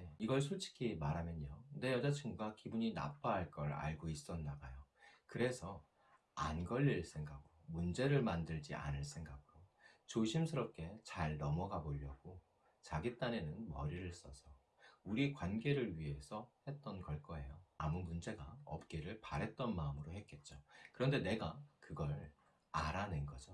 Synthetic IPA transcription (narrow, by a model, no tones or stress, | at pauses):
eiɡʌɭsʰot͡ɕʰi̥kʰimaɾɦamjʌɲone̞jʌd͡ʑat͡ɕʰiŋɡɡakibuɲina̰p͈aɦːɭk͈ʌɾa̰ɭɡois͈ʌndaɡajokɯɾe̞sʰʌ | anɡʌʎːiɭs͈ʰe̞ŋɡakomund͡ʑe̞ɾɯɭmandɯɭd͡ʑḭa̰nɯɭs͈ʰe̞ŋɡak͈ʰot͡ɕoɕʰimsʰɯɾʌp̚k͈e̞t͡ɕaɭnʌmʌɡaboʎːʌɡ̥o | t͡ɕaɡit͈ane̞nɯnmʌɾiɾɯɭs͈ʌsʰʌ | uɾikwanɡe̞ɾɯɭɥiɦe̞sʰʌhe̞t̚t͈ʌnkʌɭk͈ʌɦe̞joamumund͡ʑe̞ɡaʌ̰p̚k͈eɾɯɭpaɾɦe̞t̚t͈ʌnmaɯmɯɾoɦe̞t̚k͈e̞t̚t͡ɕ͈okɯɾʌnde̞ne̞ɡakɯɡʌɾ | aɾanenɡʌd͡ʑo